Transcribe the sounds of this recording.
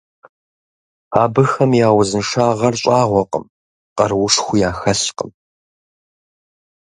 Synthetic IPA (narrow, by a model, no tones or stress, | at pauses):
aːbɨxɐmjaːwʊzɨnʂaːʁɐrɕʷʼaːʁʷɔqə̰m | qɐrwʊʂxʷʊjaːxɐɬqə̰m